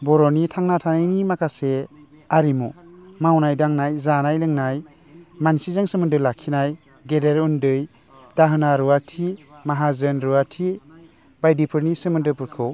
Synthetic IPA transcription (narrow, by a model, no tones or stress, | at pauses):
bɔɾɔnitʰaŋnatʰanajnimakʰase | aɾimṵmawnajdaŋnajzanajlɯŋnaj | mansizaŋsɯmɯndɯlakʰinaj | ɡedeɾundɯj | d̥aɦɯnaɾuwatʰimaɦazɯnɾuwatʰi | bajdipʰɯɾnisɯmɯndɯpɯɾkʰɯw